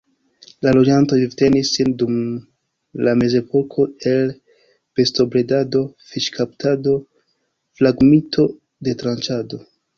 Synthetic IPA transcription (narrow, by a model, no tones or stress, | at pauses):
lalo̞d͡ʒanto̞ivte̞nisːindum | lame̞ze̞po̞kʰo̞e̞l | b̥e̞sto̞bɾedado̞fiʃkʰaptado̞ | flaɡmitʰo̞ | de̞tɾant͡ʃado̞